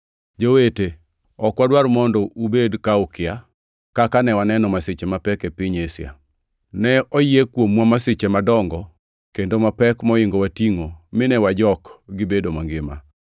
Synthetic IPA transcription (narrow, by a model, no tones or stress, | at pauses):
d͡ʒowete | ɔkwadwaɾmɔndɔʔubedkaɔkɪa | kakanɛwanɛnɔmaset͡ʃemapɛkɛpɪɲesja̰ | nɛɔjekwomːwamaset͡ʃemadɔŋɡɔ | kendomapɛkmɔɪŋɡɔwatiŋomɪnɛwad͡ʒɔkɡɪbedomaŋɡɪma̰